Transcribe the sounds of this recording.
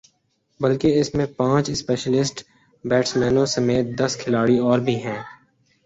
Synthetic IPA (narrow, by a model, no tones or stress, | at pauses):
bɐlkeɪsmẽpãːt͡ʃɪspeːʃəlɪsʈ | bɛːʈsmɛ̃ːnõsɐmeːt̪̚d̪ɐskʰɪlaːɽiɔːɾbʱiɦɛ̃ː